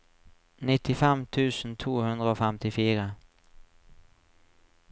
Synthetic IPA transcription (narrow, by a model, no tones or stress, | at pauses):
nɪt̪ːɪfɛmt̪ʰʉ̟ːsnt̪ʰuːhɵnd̪ɾəoːfɛmt̪ɪfiːɾə